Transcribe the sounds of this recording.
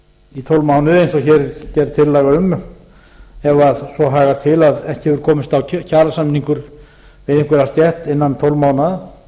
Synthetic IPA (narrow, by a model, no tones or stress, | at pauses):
it̪ʰowlmaːwnʏejnsɔɣçɛɾcɛɾt̪ʰɪlːaːɣaʏm | ɛvaðsɔɦaːɣaɾ̥t̪ʰɪlaðɛhcɪhɛvʏɾ̥kʰɔːmɪst̪awcʰaːlasamnːiŋkʏɾ | vɪðɪŋkvʏɾast̪jɛht̪ɪnːant̪ʰowlmaːwnað